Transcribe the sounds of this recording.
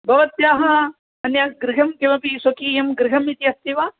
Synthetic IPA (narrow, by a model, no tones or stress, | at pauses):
bɐʋɐt̪jaːɦɐ | ɐnjaːɡɾɪɡʱɐmkeʋɐpisokiːjɐmɡɾɪɡʱɐmit̪iɐst̪iʋaː